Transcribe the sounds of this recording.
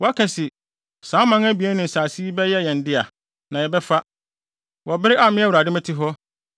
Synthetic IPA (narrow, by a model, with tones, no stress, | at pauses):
wɔ˦a˦kʰɛ̃˨sɪ˨ | sãː˨˦mã˦ŋæ˦bi˨ɛ˦nɪ̃˨n̩˨saː˨si˦i˦bɛ˦jɛ˦jɛ̃˨n̩˨dɪ˦a˨ | nã˨jɛ˨bɛ˦fa˦ | wɔ˨bɪ˦ɾɪ˦ʔa˨mɪ̃˦æ˦wu˨ɾa˨dɪ˦mɛ̃˦tʰɪ˦ɦɔ˦